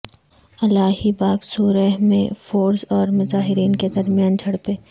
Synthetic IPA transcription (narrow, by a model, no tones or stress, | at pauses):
ɐlaːɦibaːksuːɾəɦmḛ̃foːɾsɔːɾmʊzaːɦɪɾiːnked̪ɐɾmijaːnd͡ʒʰʱɐɽpeː